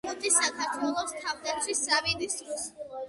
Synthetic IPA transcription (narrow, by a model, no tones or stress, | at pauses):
ɔt̪ʰʼisakʰaɾt̪ʰwɛlˠɔst̪ʰavd̪akʰisːavid̪isd̪ɾɔs